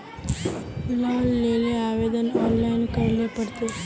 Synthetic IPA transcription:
ilaʋəlːeleaʋed̪ənɔnlajnkəɾlepəɽt̪e

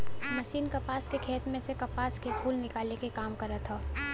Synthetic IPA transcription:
mɐʃiːnkɐpaːskekʰeːt̪mẽsekɐpaːskepʰuːlnɪkaːlekekaːmkɐɾət̪ʰaː

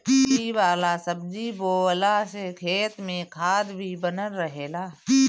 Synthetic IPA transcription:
iʋaːlasəb̚d͡ʒiboːəlasekʰeːt̪mẽkʰaːd̪bʱibənənːəɦeːlaː

